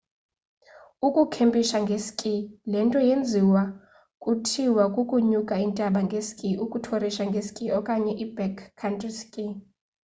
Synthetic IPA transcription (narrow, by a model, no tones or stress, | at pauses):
ukʼukʰempʼiʃaŋɡʱesi̥kʼilɛntʼɔjend͡zʱiwa | kʼutʰiwakʼukʼuɲukʼaintʼaɓaŋɡʱesi̥kʼiʔukʼutʰoriʃaŋɡʱesi̥kʼiɔkʼaɲɛʔibɛkʰːantʼriskʼi